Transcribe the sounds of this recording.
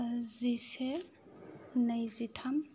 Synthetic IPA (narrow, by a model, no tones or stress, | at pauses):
zise | nɐjzitʰam